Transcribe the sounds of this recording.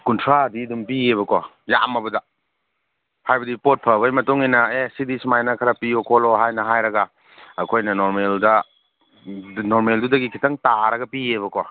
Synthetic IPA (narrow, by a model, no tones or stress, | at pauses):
kuntʰɾadidumpieβɐkwa | ja̰mɐbɐdɐ | hajbɐdipot̚pʰɐbɐjmɐtoŋinɐesidismajnɐkʰɐɾɐpiokʰoloɦajnɐɦajɾɐɡa | ɐkʰojnɐnoɾmeldɐ | noɾmeldudɐɡikʰitɐŋtaɾɐɡɐpieβɐkowa